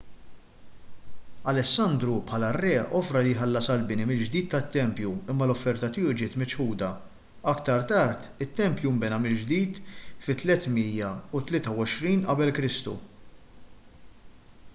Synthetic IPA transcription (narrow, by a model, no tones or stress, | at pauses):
ɐlɛsːɐnd̪ɾupħɐːlɐrːɛːʔɔfɾɐlijħɐlːɐsɐlbɪnimɪld͡ʒd̪iːt̪t̪ɐt̪ːɛmpjuɪmːɐlɔfːɛɾt̪ɐt̪ɪːud͡ʒɪːt̪mɪt͡ʃħuːd̪ɐ | ɐkt̪ɐɾt̪ɐɾt̪ɪt̪ːɛmpjumbɛnɐmɪld͡ʒd̪iːt̪fɪt̪ːlɛt̪miːjɐʊt̪lɪːt̪ɐwɔʃɾiːnʔɐbɛlkɾɪst̪ṵ